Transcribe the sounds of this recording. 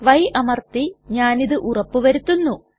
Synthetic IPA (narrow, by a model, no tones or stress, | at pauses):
ʋɐjʔɐmɐrt̪iɲaːniðɨʔurɐpːɨʋɐɾut̪ːunːu